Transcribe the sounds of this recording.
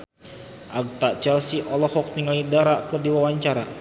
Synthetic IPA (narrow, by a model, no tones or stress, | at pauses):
ʔaɡ̚t̪at͡ʃɛlsiʔɔlɔhɔk̚niŋalidaɾakɨrdiwawaɲt͡ʃaɾa̰